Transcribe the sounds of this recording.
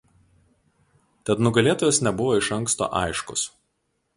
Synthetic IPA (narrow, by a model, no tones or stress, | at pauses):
t̪ʲɛt̪nʊɡɐlʲeːt̪oːjoːsnʲɛbʊʋoːɪʃɐŋˑkst̪o̰ːʔɐ̰ɪʃkʊ̰s